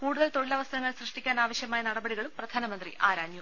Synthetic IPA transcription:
kuːɽuðɐlt̪o̞ɭilɐʋɐst̪ɐɐŋːɐɭsrɨʂʈikʲːaːnaːʋɐɕjɐmaːjɐnɐɽɐbɐɽiɣɐɭumprɐd̪ʱaːnɐmɐnd̪rḭʔaːɾaːɲju

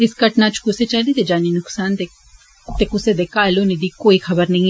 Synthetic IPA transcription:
ɪskɐʈnat͡ʃkʊset͡ʃaːlit̪ed͡ʒaːninʊksaːnt̪e | t̪ekʊsed̪eːkaːloːnid̪ikoːixɐbəɾnɐɦĩ

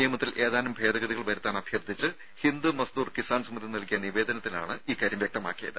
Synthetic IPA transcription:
nijɐmɐt̪ːilʔe̞ːðaːɐnɐmbʱe̞ːd̪ɐɣɐðiɣɐɭʋɐɾɐt̪ːaːɳɐbʱjɐrd̪ʱit͡ɕːɨ | hind̪umɐsd̪uːrkisaːnsɐmːɐd̪ʱinɐɭkijɐniʋe̞ːd̪ɐnɐt̪ːila̰ːɳɨiːkːaːɾjɐmʋjɐk̚t̪ɐma̰ːkːijɐ̰ðɨ

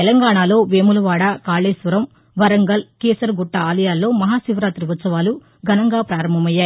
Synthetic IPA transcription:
t̪ɛlɐŋɡaːɳaːlo̞ːʋeːmulɐʋaːɽaːkaːɭeːsʋɐɾɐm | ʋɐɾɐŋɡɐlkeːsɐɾɡuʈːɐaːlɐjaːlːo̞ːmɐɦaːsiʋɾaːt̪ɾiʋɐt̪sɐʋaːlu | ɡʱɐnɐŋɡaːpɾaːɾɐmbʱɐmɐjːaːji

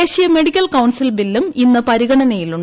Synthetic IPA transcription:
eːɕijɐme̞ɽikʲːɐlkɐwnsilbilːuminːɨpɐɾiɣɐɳɐnɐjiluɳɖ

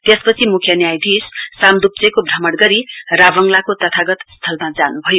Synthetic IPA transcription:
t̪espʌt͡sʰimukʰjʌnjajd̪ʱissamd̪up̚t͡sekobʱrʌmʌɽɡʌɾirabʌŋlakot̪ʌt̪ʰaɡʌt̪st̪ʰʌlmad͡zanubʱʌjo

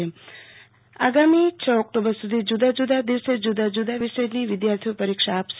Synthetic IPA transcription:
e | a̰ɡamit͡ʃʰəɔk̚ʈobəɾsud̪ʱid͡ʒud̪ad͡ʒud̪ad̪iʋsed͡ʒud̪ad͡ʒud̪aʋiʃəjniʋɪd̪jaɾt̪ʰijopəɾikʃaːps

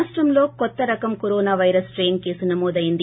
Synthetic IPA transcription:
sʈɾɐmloːkɔt̪ːɐɾɐkɐmkɔɾoːnaːʋɐjɾɐsʈɾeːnke̞ːsunɐmoːd̪ɐjind̪i

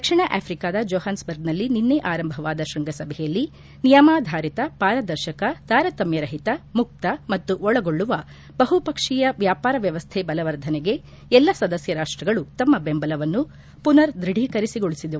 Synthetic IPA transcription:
d̪ɐkʂiɳɐʔa̰ːpʰɾikaːd̪ɐd͡ʒoːɦaːnsbɐɾɡnɐlːininːeʔaːɾɐmbʱɐʋaːd̪ɐʃɾɐŋɡɐsɐbʱɛjɐlːi | nijɐmaːd̪ʱaːɾit̪ɐpaːɾɐd̪ɐɾʃɐkɐt̪aːɾɐt̪ɐmjɐɾɐɦit̪ɐmuk̚t̪ɐmɐt̪ːuʔɔɭɐɡo̞ɭːuʋɐ | b̥ɐɦupɐkʂijɐʋjaːpaːɾɐʋjɐʋɐst̪ʰebɐlɐʋɐɾd̪ʱɐneɡe̞ | ɛlːɐsɐd̪ɐsjɐɾaːʂʈɾɐɡɐɭut̪ɐmːɐbembɐlɐʋɐnːu | punɐɾd̪ɾiɽʱikɐɾisiɡo̞ɭisid̪u

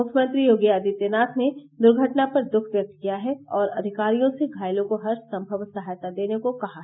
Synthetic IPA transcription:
mʊkʰjəmə̃nt̪ɾijoːɡiaːd̪it̪eːnaːt̪ʰned̪ʊɾɡʱəʈnapɐɾd̪ʊkʰʋjɐk̚t̪̚kijaɦɛɔːɾɐ̰d̪ʱɪkaːɾijõseɡʱaːɪlõkoɦɐɾsɐ̃mbʱəʋsɐɦaːjt̪ad̪eːnekokɐɦa

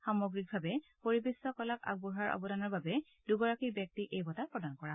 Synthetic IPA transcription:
xamoɡɹik̚bʱabɛpoɹibesːɔkɔlaka̰ɡ̚buɹɦaɹʔɔ̰bɔdanɔɹbabɛ | duɡɔɹakibjɛk̚tikejbɔtapɹɔdankɔɹa

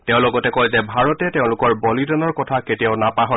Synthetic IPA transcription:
tɛʊ̃lʊɡɔtɛkɔjzɛbʱaɹɔtɛtɛʊ̃lʊkɔɹbolidɔnɔɹkɔtʰaketiaʊnapaɦɔ

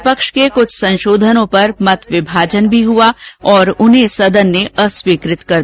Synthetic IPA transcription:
pəkʃkekʊt͡ʃʰsɐ̃nʃoːd̪ʱənõpɐɾmɐt̪ʰʋɪbʱaːd͡ʒənbʱiɦuaɔːɾʊnɦẽsɐd̪ənːeɐswiːkɾɪt̪kɐ

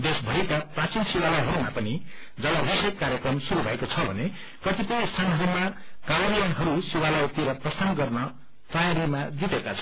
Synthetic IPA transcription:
d̪esbʱʌikaprãt͡sinsiwalʌjɦʌɾumapʌni | d͡zʌlaɾʌsekːaɾjekrʌmsuɾubʱʌekot͡sʰʌbʱʌne | kʌt̪ipʌjĩst̪ʰanɦʌɾumaɡawʌɾiɾʌnɦʌɾusiwalʌjt̪iɾʌprʌst̪ʰanɡʌrnʌ | t̪ʌjaɾimad̪it̪ekat͡sʰʌ̥

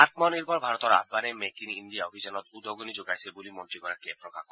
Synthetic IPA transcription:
aɾt̪mɔniɾpɔɾbʱaɾɔt̪ɔɾa̰bbanemekinind̪ijaobʱid͡ʑanɔt̪ud̪ʱoɡonid͡ʑoɡajsʰebulimɔnʈɾikɔɾakepɾokakɔ

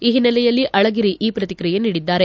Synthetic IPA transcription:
iːɦinːɐlɛjɐlːiʔɐɭɐɡiɾiʔiːpɾɐt̪ikɾijeniːɽid̪ːaːɾe

